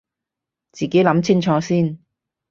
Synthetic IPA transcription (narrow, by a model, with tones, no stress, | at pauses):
t͡siː˨ke˨˥jlɐ˨˥mt͡sʰɪ˥ŋt͡ʃʰɔː˧siː˥n